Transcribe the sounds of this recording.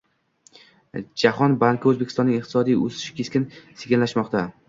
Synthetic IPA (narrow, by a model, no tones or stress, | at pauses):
d͡ʒahɒnbaŋkʲʰaɵzbekʲɪ̥sɒnɪŋɨq̚t̪ɪ̥sɒd̪ijo̰zɪ̥ʃɪ̥kʲʰe̞skʲɪnseɡʲɪnlaʃmɒqt̪a